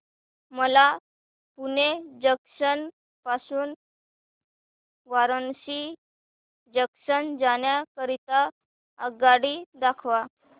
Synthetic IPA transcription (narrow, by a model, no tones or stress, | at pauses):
məla | puned͡ʑəksən | pasuːn | ʋaɾənɕi | d͡ʑəksənd͡zaɳjakəɾit̪a | əɡaɽiːd̪akʰʋa